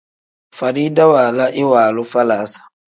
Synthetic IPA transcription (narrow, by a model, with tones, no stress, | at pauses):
fa˨ɾi˦da˦waː˨la˦ʔɪ˦waː˨lʊ˦fa˦laː˨˦sḁ˨